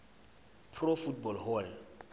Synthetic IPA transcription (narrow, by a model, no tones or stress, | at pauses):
pʰrɔfutbɔlɦɔl